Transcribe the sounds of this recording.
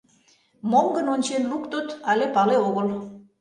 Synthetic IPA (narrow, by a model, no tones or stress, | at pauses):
momɡənonʲt͡ɕenlukt̪ot̪ɑlʲepɑleoɣəl